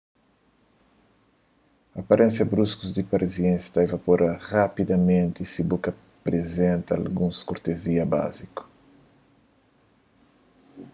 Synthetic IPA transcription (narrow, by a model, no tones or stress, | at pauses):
apaɾʔẽnsjɐbɾuskuzd̪ipaɾʔiziẽst̪ajvapoɾʔɐrapid̪ɐmẽnt̪isibukɐ | pɾezẽnt̪ɐa̰lɡũskoɾt̪eziɐba̰ziku̥